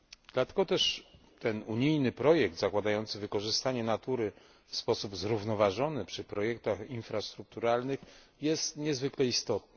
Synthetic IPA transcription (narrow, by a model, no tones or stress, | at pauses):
d̪̥lat̪ɛɡɔt̪ɛʂ | t̪ɛnuɲijnɘpɾɔjɛk̚t̪zakwad̪ajɔnt̪sɘvɘkɔʐɘst̪aɲɛnat̪uɾɘ | fspɔsubzɾuvnɔvaʐɔnɘpʂɘpɾɔjɛk̚t̪axinfɾast̪ɾuk̚t̪uɾalnɘx | jɛst̪ɲɛzvɘklɛist̪ɔt̪̚nɘ